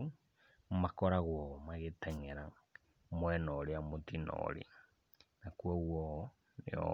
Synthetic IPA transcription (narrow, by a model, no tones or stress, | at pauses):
makɔɾaɣwɔmaɣetɛŋɛɾa | mwɛnɔɾeamotinɔ̰ɾḭ | nakuɔɣwɔ | nḛɔ̰